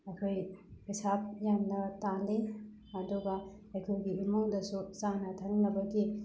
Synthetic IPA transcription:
ɐkʰojisap̚jamnɐtali | ɐduɡɐ | ɐjkʰojɡiimuŋdɐsusanɐtʰɐŋlɐbɐɡi

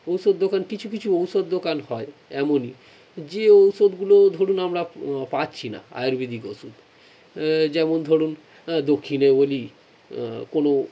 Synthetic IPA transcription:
owsod̪ːokankit͡ɕʰukit͡ɕʰuowsod̪ːokanɦɔeɛmoni | d͡ʑeowsod̪ɡulod̪ʱoɽunamɾapatːɕʰina̰a̰joɾbid̪ʱikowsud̪ | d͡ʑɛmond̪ʱoɽun | d̪okʰːineboli | kono

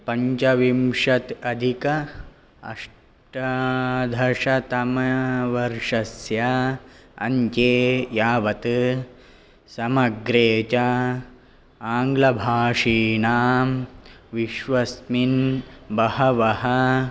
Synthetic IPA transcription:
pɐɲt͡ʃɐʋimʂɐt̪ɐd̪ʱikɐ | ɐ̰ʂ | ʈɐd̪ʱɐʂɐt̪ɐmɐʋɐɾʂɐsjɐ | ɐ̰ɲt͡ʃeːjaːʋɐt̪ɨ | sɐmɐɡɾeːt͡ʃɐ | aːŋɡlɐbʱaːʂiːnaːmʋiʃʋɐsminbɐhɐʋɐhɐ

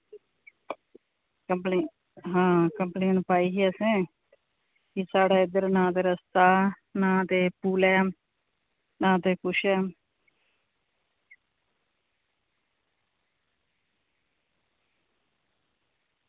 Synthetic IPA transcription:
kəmpleː | ɦãːkəmplẽːnpaːiːɦiːəsẽː | kisaːɽaːɪd̪əɾnãːt̪eːɾəst̪aː | nãːt̪eːpuːlɛːm | nãːt̪eːkʊʃɛː

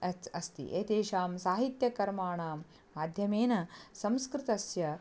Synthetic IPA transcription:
ɐt͡sɐst̪ḭʔeːt̪eːʃaːmsaːɦit̪jɐkɐɾmaːɳaːmː | aːd̪ʱjɐmeːnɐsɐ̃mskɾɪt̪ɐsjɐ

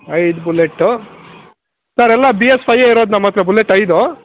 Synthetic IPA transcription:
ɐjd̪buleʈːu | sɐɾɛlːɐbiespʰɐjːeiɾoːd̪nɐmːɐt̪ɾɐbuleʈːɐjd̪o

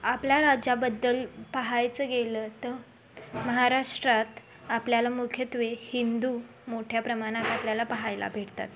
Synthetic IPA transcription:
apljaɾad͡ʑabəd̪ːəlpəɦajt͡səɡeləːt̪ə | məɦaɾaʂʈɾat̪ | apljalamukʰjət̪ʋehind̪uː | moʈʰjapɾəmaɽ̃at̪apljalapəɦajlʔa̰bʱeʈt̪a̰t̪

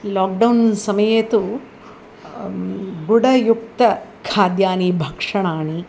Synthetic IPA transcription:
laːk̚ɖɐwnsɐmɐjeːt̪u | ɡuɽɐjuk̚t̪ɐkʰaːd̪jaːniːbʱɐkʂɐɳaːɳi

